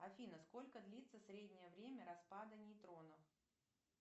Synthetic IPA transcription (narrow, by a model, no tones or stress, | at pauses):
ɐfʲinəsko̞lʲkəd̪lʲit̪sːəsɾʲedʲnʲɪjəvɾʲemʲəɾɐspad̪ənʲɪːt̪ɾo̞nəf